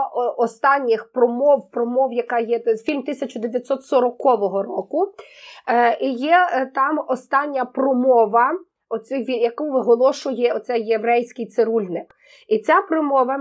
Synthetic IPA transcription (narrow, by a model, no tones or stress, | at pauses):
ɔst̪ɑnʲːɪxpɾɔmɔwpɾɔmɔwjɐkɑjɛfʲilʲmt̪ɪsʲɐt͡ʃʊd̪eʋʲjɐt̪ʲsɔt̪sɔɾɔkɔʋɔɦɔrɔkʊ | ijɛt̪ɑmɔst̪ɑnʲːɐprɔmɔʋɐ | ɔsʲɪjʋʲijɐkuʋɪɦɔlˠɔʃʊjɛɔt̪sɛjːeʋɾɛjsʲkɪjt̪seɾulʲnɪk | it͡sʲapɾɔmɔʋɐ